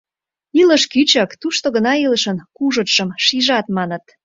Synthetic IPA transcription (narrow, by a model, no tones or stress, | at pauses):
iləʃkyt͡ɕɑkt̪uʃt̪oɣənɑiləʃənkuʒə̆t̪ʃəmʃiʒɑt̪mɑnə̆t̪̚